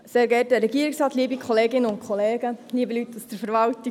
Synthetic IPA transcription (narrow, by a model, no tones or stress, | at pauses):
seːɾɡɛɾtəɾɛɡiəɾiksɾɑːt̪liəbikʰχɔleːɡɪnəʊntkʰχɔleːɡəliəbəlytːusd̥̪əɾfəɾʋɑlti